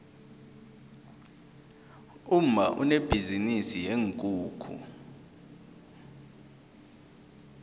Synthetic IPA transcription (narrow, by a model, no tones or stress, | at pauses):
um̩maʔṵneb̥ʱizinisijeŋkʼuːkʰṵ